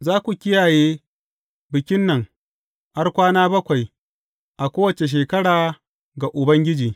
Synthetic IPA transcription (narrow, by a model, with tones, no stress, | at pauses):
zaː˦kʷu˨kʲɪ˦jaː˨jeː˦ | bɪ˨kʲɪ˦nːɐ˨ŋ | ʔa˦rkʷaː˦naː˦bɐ˦kʷa˨j | ʔa˨kʷoː˦wɐ˨t͡ʃe˨ʃ̬eː˨kɐ˦ɽaː˨ | ɡa˨ʔʊ˨bɐ˦ŋɡʲɪ˦d͡ʒiː˨